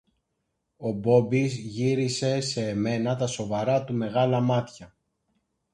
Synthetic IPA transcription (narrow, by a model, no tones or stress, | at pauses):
o̞bo̞bizʝiɾise̞se̞ːme̞nɐt̪ɐso̞vɐɾɐt̪ume̞ɣɐlɐmɐt̪çɐ